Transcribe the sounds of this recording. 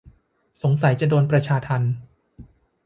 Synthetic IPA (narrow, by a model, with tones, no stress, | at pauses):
so˩˦ŋsa˨˩˦jt͡ɕa˨doː˧npɾa˧t͡ɕʰaː˧t̪ʰa˧n